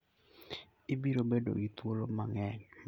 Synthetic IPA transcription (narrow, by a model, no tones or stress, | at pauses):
ɪbiɾobedo̰ɡit̪wolomaŋɛɲ